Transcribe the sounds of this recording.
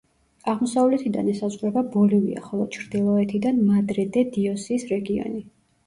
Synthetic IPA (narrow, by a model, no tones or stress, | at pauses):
aʁmɔsavlɛt̪ʰid̪a̰nɛsazʁɾɛbabɔlivḭa̰χɔlˠɔt͡ʃʰɾd̪̥ilˠɔɛt̪ʰid̪anmad̪ɾɛd̪ɛd̪iɔsiːsɾɛɡiɔ̰ni